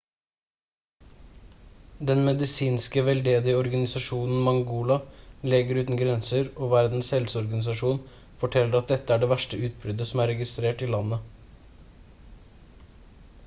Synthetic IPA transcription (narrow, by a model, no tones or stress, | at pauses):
d̪ɛnmɛd̪ɪsiːnskəʋɛld̪eːd̪ɪɔɾɡɑnɪsɑʃuːnn̩mɑŋɡuːlɑlɛɡəɾʉːt̪n̩ɡɾɛnsəɾoːʋæɾd̪n̩shɛlsɔɾɡɑnɪsɑʃuːn | fɔʈʰɛlːəɾɑt̪̚d̪ɛt̪ːəæːɖeːʋæʃʈəʔʉːt̪̚bɾʏd̪əsɔm̩æːɾɛɡɪst̪ɾeːʈiːlɑnə